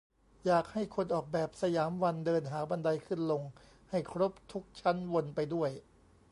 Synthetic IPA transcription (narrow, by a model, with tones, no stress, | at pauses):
jaː˨˩k̚ha˥˩jkʰo˧nʔɔː˨˩k̚bɛː˨˩p̚sa˧jaː˩˦mwa˧ndɤː˧nɦaː˩˦ba˧nda˧jkʰɯ˥˩nlo˧ŋ | ha˥˩jkʰɾo˦˥p̚t̪ʰu˦˥k̚t͡ɕʰa˦˥nwo˧npa˧jdu˥˩əj